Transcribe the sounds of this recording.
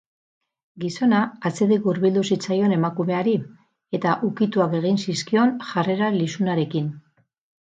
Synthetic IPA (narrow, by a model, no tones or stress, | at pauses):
ɡiso̞naːt͡se̞ðiɣuɾβild̪usit͡sajo̞ne̞makume̞aɾi | e̞t̪aʔukit̪uake̞ɣ̞insiskio̞nʝare̞ɾalisunaɾe̞kin